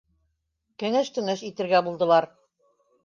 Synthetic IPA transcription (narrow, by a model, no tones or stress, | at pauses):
kɘ̆ŋɘʃt̪ɵ̆nɘʃit̪ɘ̆ɾɡæbulˠd̪ɤ̆lˠɑɾ